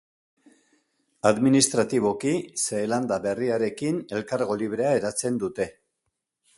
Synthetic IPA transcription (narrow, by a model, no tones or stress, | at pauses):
aðminist̪ɾat̪iβ̞o̞kise̞ːland̪aβe̞riaɾe̞kine̞lkaɾɣo̞liβ̞ɾe̞ae̞ɾat͡se̞nd̪ut̪e̞